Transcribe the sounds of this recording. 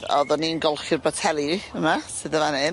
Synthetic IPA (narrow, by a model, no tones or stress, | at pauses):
ɔ̰ðɔniənɡɔlˠχɪrbatʰɛlˠjəmasɨðəvanɨn